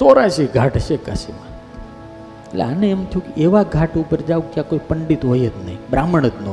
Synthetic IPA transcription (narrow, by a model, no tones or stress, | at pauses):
soɾaʃiɡʱaʈʃeka̰sḭmã | eʈlḛaneːmt̪ʰjũkeʔeʋaɡʱaʈupəɾd͡ʒaʋũkjãkoipəɳɖit̪ɦojet̪nəɦĩbɾaməɳ̃ət̪no